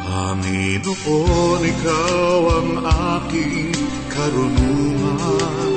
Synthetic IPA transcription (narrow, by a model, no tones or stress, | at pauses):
ʔaninuʔonikawaŋaki | kaɾunumaa